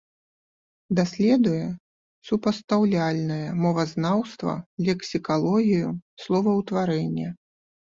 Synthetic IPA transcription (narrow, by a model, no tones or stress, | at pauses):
d̪asʲlʲɛd̪ujɛ | supɐst̪awlʲalʲnɐjɐmɔvɐznawst̪vɐ̰lʲɛksʲikalˠɔɣʲijuslˠɔvɐwt̪vaɾɛnʲːɐ